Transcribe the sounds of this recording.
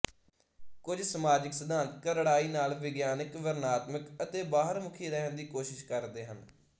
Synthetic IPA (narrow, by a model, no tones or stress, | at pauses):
kʊd͡ʒsəmaːd͡ʒɪksəd̪aːnkəɾɽaːiːnaːlʋɪɡjaːnɪkʋəɾnaːt̪məkət̪eːbaːɦəɾmʊkʰiːɾɛɦənd̪iːkoːʃɪʃkəɾd̪eːɦən